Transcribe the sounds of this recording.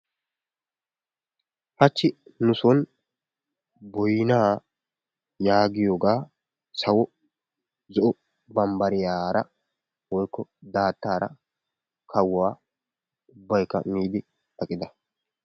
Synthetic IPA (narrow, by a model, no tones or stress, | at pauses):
hɐt͡ʃːɪnʊsɔn | bɔjɪnaː | jaːɡɪjoːɡaː | sɐwɔ | zɔʔɔ | bɐmbɐɾɪjaːɾɐ | wɔjkːɔd̪aːt̪ːaːɾɐ̰ | kʰɐwːaː | ʊbːɐjkːɐ̰miːd̪ɪ | ɐkʼːɪd̪ɐ